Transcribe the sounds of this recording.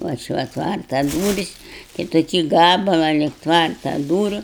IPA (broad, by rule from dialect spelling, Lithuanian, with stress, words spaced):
ˈʋɐ ˈt͡ʃʲɪ ˈʋɐ ˈtʋɐrtɐ ˈduːrʲɪs tɐɪ toːˈkʲiː ˈɡɑːbɐlˠɑː lʲɪk ˈtʋɐrtɐ ˈduːrʲʊ